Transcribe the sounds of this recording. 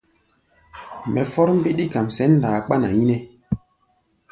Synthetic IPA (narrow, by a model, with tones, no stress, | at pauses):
mɛ˨fɔ˦ɾm˦bi˦ɗi˦ka˨msɛ˨˦n˦daː˨k͡pa˦na˨ji˦nɛ˦